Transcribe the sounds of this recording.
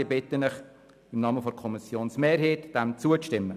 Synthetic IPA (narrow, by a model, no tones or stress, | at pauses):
əbɪtənəχ | ɪmnɑːməfɔɾkʰɔmisjoːnsmeːɾɦeːtd̥ɛmt͡suəʃtɪmːə